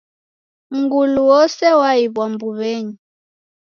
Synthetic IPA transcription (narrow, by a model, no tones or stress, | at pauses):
ŋɡuluwɔsɛwaiβwambuβɛɲi